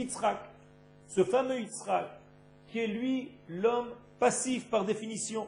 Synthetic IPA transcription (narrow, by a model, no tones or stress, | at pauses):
it̪sχak | səfamøit̪sχakʲː | iɛlɥilɔm | pasifpaʁd̪efinisjɔ̃